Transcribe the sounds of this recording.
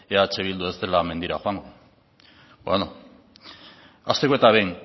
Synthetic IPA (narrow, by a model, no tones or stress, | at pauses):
eat͡seβild̪uest̪e̞lame̞nd̪iɾaxoaŋɡo | bwḛno | ast̪ekoe̞t̪aβe̞jn